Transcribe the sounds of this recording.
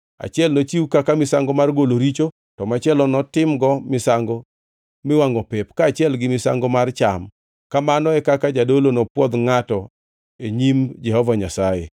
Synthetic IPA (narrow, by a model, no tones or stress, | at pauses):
a̰t͡ʃɪɛlnot͡ʃiukakamɪsaŋɡɔmarɡoloɾit͡ʃo | tɔmat͡ʃɪɛlɔnɔtɪmɡɔmɪsaŋɡo | mɪwaŋɔpɛpkaːt͡ʃɪɛlɡɪmɪsa̰ŋɡɔmart͡ʃam | kamanɔɛkakad͡ʒadolonɔpwɔd̪ŋatɔ | eɲimd͡ʒɛhɔvaɲasajḛ